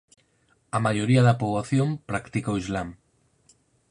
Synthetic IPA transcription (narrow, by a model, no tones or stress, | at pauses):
amaʒoɾiaðapuβlaθjompɾakt̪ikowizlam